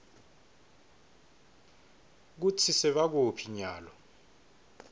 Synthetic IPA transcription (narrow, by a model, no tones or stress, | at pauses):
k̬ut͡sʰisɛɓak̬opʰiɲaːlɔ